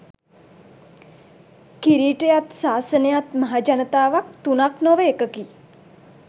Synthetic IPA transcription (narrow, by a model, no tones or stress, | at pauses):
kiɾiːʈejat̪saːsənejat̪məɦad͡ʒɐnət̪aːʋak̚t̪unaknɔʋəekəki